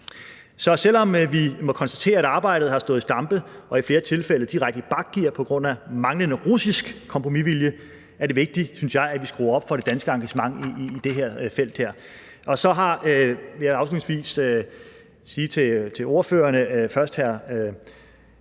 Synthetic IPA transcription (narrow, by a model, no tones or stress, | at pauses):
sɒ̽sel̰ɒ̽mʋimɒ̽kʰɒnsd̥æt͡sʰe̝̰ːɐæɾ̥ɑ̈ːb̥ɑ̈ɪ̰ɾ̥ð̩ˠhɑ̈sd̥ɔ̽ð̩ˠsd̥ɑ̈mb̥əʔɒ̽ifle̝ːɐt͡sʰe̝lfel̰ð̩d̥iʁaɡ̥̚d̥əb̥ɑ̈ɡ̥̚ːiɐpʰɒ̽ɡ̥ʁɔ̽n̰æmɑ̈ŋlənəʁusisɡ̥kʰːɒ̽mpʰʁo̝miʋiljə | æɐɾ̥e̝ʋe̝ɡ̥̚d̥isynsjɑ̈ɪæʋisɡ̥ʁṵːɐɒ̽b̥fɒ̽ɾ̥e̝d̥ænsɡ̥əɑ̈ŋɡ̥æɕəmɑ̈ŋiːd̥e̝ɦeɐ̰fel̰d̥heɐ̰ | ʔɒ̽sɒ̽ɦɑ̈øejɑ̈ʊsulnŋsʋḭːsø | siːt͡sʰe̝t͡sʰe̝o̝ɐføːɐnəfɶɐsd̥hæɐ̰ø